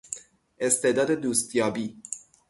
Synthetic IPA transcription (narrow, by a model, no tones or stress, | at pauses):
ʔe̞st̪ʰed̪ɒːd̪e̞d̪uːst̪jɒːbiː